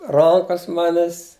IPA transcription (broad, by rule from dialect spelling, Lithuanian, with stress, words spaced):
ˈrɐŋkɐs ˈmɑːnʲɛs